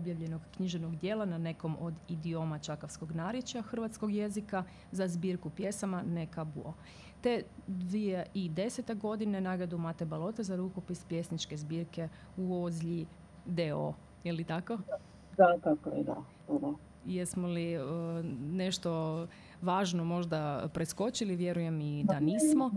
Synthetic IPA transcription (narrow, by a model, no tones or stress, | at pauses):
objaʋʎe̞noɡːɲiʒenoɡd̪jeːlˠanane̞ko̞mo̞d̪id̪io̞mat͡ʃakaʋsko̞ɡnaɾjet͡ʃaxr̩ʋat̪sko̞ɡje̞zika | zazbiːɾkupje̞samanekabṵo | t̪e̞d̪ʋieʔid̪e̞set̪e̞ɡo̞d̪ine̞naɡɾed̪umat̪ebalˠo̞t̪ezaɾuko̞pispje̞snit͡ʃke̞zbiːɾke̞ | uozʎi | d̪eo̰ | jelit̪ako | d̪at̪akoɛ̰d̪a̰ | puɾo | jesmoli | ne̞ʃt̪o | ʋaːʒnomo̞ʒd̪apɾesko̞t͡ɕiliʋje̞ɾuje̞mid̪aniːsmo